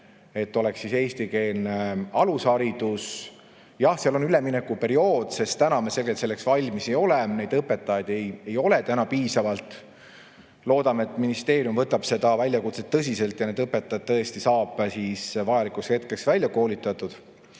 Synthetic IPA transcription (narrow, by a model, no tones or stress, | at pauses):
e̞t̪ːo̞lɛksːise̞ːst̪ike̞ːlne̞ɑlushɑɾid̪̥us | jɑhseɑlo̞nyleminekːˑupe̞ɾio̞ːd̪̥se̞st̪t̪ænɑmese̞lɡelt̪se̞lːe̞ksvɑlʲmise̞jo̞lene̞jd̪ɤpːe̞t̪ːˑɑjɑd̪e̞je̞jo̞le̞t̪ænɑpiːsɑvɑlt̪ˑ | lo̞ːd̪ɑmet̪ːˑminist̪e̞ːɾijumvɤt̪ːˑɑb̥se̞d̪̥ɑvælʲjɑkut̪set̪ːɤs̬ʲise̞lt̪jɑne̞d̪ɤpːe̞t̪ːɑjɑt̪̚t̪ːɤest̪isɑːb̥siːsvɑjɑlikushe̞t̪̚ke̞ksvælʲːjɑko̞ːlit̪ːˑɑt̪ːˑud̪̥